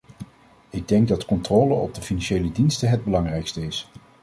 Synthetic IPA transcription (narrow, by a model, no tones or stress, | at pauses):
ɪɡ̚dɛŋɡ̚dɑtkɔntrɔːləɔ̰b̚dəfinɑnʃejlədinstəɦɛd̚bəlɑŋrɛjkstəɪs